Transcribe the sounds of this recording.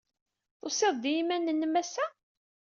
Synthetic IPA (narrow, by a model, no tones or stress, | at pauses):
θoseðˤd̪jimænənːəmːæsːæ